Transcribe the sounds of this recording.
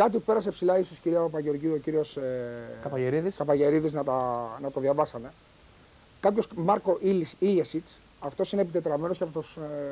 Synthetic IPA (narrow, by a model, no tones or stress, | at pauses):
kɐt̪̬ipupe̞ɾɐsepsilɐisosciɾiɐopɐʝeo̞ɾʝiuociɾio̞sekɐpɐʝeɾiðiskɐpɐʝe̞ɾiðiznɐt̪ɐnɐt̪o̞ðʝɐvɐsɐne̞ | kɐpço̞smɐɾko̞ʔilisilesit͡s | ɐft̪o̞sinepit̪e̞t̪ɾɐme̞nosceɐpot̪os